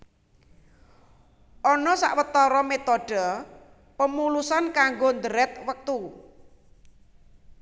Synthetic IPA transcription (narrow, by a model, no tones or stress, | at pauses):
ʔɔnɔsa̰ʔwət̪ɔɾɔmet̪ɔɖ̥ə | pəmulusankaŋɡond̪əɾɛt̪̚wək̚t̪u